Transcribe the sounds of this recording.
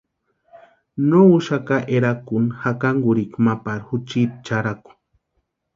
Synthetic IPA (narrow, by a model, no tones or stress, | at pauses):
nouʃakaʔeɾakunhakaŋɡuɾikmapaɾhut͡ʃit̪̚t͡ʃaɾaku̥